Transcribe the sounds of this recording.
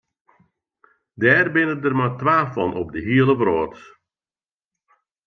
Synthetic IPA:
dɛːrbɪnədərmatʋaːfɔnʔɔb̚dəɦiəlˠəʋroːts

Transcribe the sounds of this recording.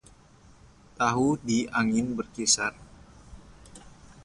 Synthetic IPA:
t̪aɦudiʔaŋɪnbərkisar

